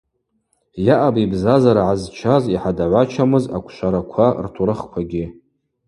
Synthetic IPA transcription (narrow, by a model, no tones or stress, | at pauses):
jaʔabibzazaɾaʕazt͡ʃʷʰaziħadaʕʷat͡ʃʷʰamɨza̰kʷʰʃʷaɾakʷʰartʰuɾɨχkʷʰaɡʲɪ